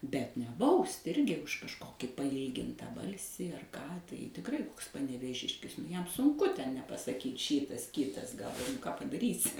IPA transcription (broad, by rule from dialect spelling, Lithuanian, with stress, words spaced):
bʲɛt nʲɛ ˈbɐʊsʲtʲ ˈɪrʲɡʲɪ ʊʃ kɐʃˈkoːkʲɪ pɐˈiːlʲɡʲɪntɐ ˈbɐlʲsʲiː ɐr ˈkɑː tɐɪ tʲɪkˈrɐɪ ˈkoːks pɐnʲɛʋʲeːˈʒʲɪʃʲkʲɪs ˈjɛm sʊŋˈkʊ ˈtʲɛn nʲɛpɐsɐˈkʲiːt ˈʃʲiːtɐs ˈkʲiːtɐs ɡɐlˠ kɑː pɐdɐˈrʲiːsʲɪ